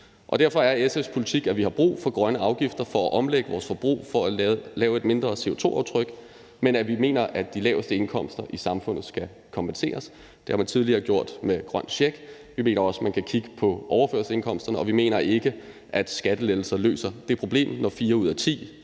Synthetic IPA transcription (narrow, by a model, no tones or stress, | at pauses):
ʔɒ̽d̥æɐfɒ̽æɐesespʰo̝lit͡sʰiɡ̥æʋihɑ̈b̥ʁṵːfɒ̽ɡ̥ʁɶnəɑ̈ʊɡ̥ifd̥ɐfɒ̽æʔɒ̽mleɡ̥əʋɒːsfɒ̽b̥ʁṵːfɒ̽ælɛːʊe̝d̥me̝nd̥ʁɐse̝ːo̝t͡sʰo̝̰ʔɑ̈ʊt͡sʰʁœɡ̥ | menæʋime̝̰ːnɐʔædd̥ilɛ̰ːʊsd̥əe̝nkʰɒ̽m̰sd̥ɐʔisɑ̈mfɔ̽n̰ð̩ˠsɡ̥æ | kʰɒ̽mpʰense̝̰ːɐs | d̥e̝hɑ̈mænt͡sʰið̞ˠliɐɡ̥jo̝ɐ̰d̥meɡ̥ʁɶnɕeɡ̥ | ʋime̝̰ːnɐɒ̽smænkʰækʰiɡ̥əpʰɒ̽ʔɒʊɐfø̰ɐsəse̝nkʰɒ̽m̰sd̥ɐnəɒ̽ʋime̝̰ːnɐʔe̝ɡ̥ə | ʔæd̥sɡ̥æd̥əleðl̩sɐlø̰ːsɐd̥eɐpʰʁo̝b̥le̝̰ːmnɒfiːɐuð̞̰ˠæɐt͡sʰḭː